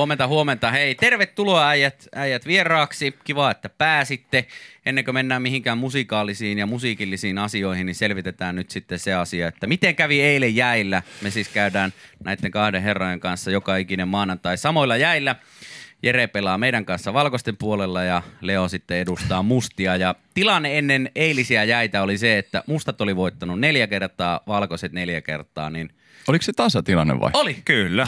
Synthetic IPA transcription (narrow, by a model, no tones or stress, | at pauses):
oment̪ɑhuoment̪ɑheit̪erʋet̪ːuloɑæijæt̪æijæt̪ʋierɑːksikiʋɑːet̪ːæpæːsit̪ːeʔenːeŋkømenːæːmmihiŋkæːmmusikɑːlisiːnjɑmusiːkilːisiːnɑsioihiniselʋit̪et̪æːnnyt̪sit̪ːeseɑsiɑet̪ːæmit̪eŋkæʋieilejjæilːæmesiːskæydæːnnæit̪ːeŋkɑhdeɦerːojeŋkɑnsːɑjokɑikinemmɑːnɑnt̪ɑisɑmoilːɑjæilːæ | jerepelɑːmeiɾæŋkɑnsːɑʋɑlkost̪empuolelːɑjɑleonsit̪ːeedust̪ɑːmust̪iɑjɑt̪ilɑnːeenːeneilisiæjæit̪æoliseet̪ːæ̰must̪ɑt̪oliʋoˑit̪ːɑnunneljækert̪ˑɑːʋɑlkoset̪neljækḛrt̪ˑɑ̰ːnin | olikset̪ɑsɑt̪ilɑ̰nːḛʋʋɑ̰iolikylːæ